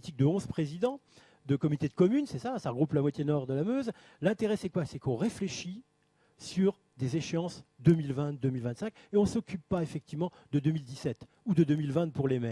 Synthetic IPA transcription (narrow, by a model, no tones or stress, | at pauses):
it̪ik̚d̪əɔ̃zpχezid̪ɑ̃ | d̪əkɔmyiit̪ed̪əkɔmynsɛsasaʁəɡʁuplamwat̪jenɔʁd̪əlamøz | lɛ̃t̪eʁɛsɛkwasɛkɔ̃ʁefleʃi | syʁ | d̪ezeʃeɑ̃sd̪ømilvɛ̃d̪ømilvɛ̃t̪sɛ̃kʲeɔ̃sɔkʲypːaefɛk̚t̪ivmɑ̃ | d̪əd̪ømild̪isɛt̪ | ud̪əd̪ømilvɛ̃t̪̚puʁlemɛ